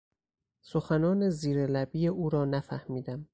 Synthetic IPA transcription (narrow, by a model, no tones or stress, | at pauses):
soxænɒːne̞ziːɾelæbiːeuːɾɒːnæfæhmiːd̪æm